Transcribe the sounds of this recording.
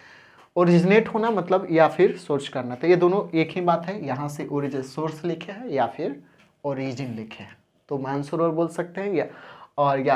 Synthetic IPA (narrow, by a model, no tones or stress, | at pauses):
oːɾɪd͡ʒneːʈɦoːnamɐt̪ləbjapʰɪɾsoːɾt͡ʃkɐɾnat̪ɦjed̪oːnõeːkɦibaːt̪ɦɛjɐɦãseʔoːɾɪd͡ʒəsoːɾslɪkʰeɦɛjapʰɪɾ | oːɾid͡ʒənlɪkʰeɛ̃ | t̪omaːnsʊɾəɾboːlsɐk̚t̪eɦɛ̃jɔːɾja